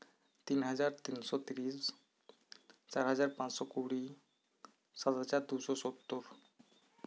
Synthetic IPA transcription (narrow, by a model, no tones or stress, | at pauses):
t̪inɦad͡ʑaɾt̪insɔt̪iɾis | t͡ɕaɾɦad͡ʑaɾpat͡ɕsɔkuɽi | sad̪at͡ɕaɾd̪uʃɔsot̪ːoɾ